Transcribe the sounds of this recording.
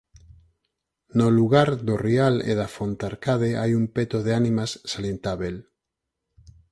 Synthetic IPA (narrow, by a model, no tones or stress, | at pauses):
noluɣaɾðorialḛðafont̪aɾkað̞eajumpet̪oðeanĩmasːaljent̪aβel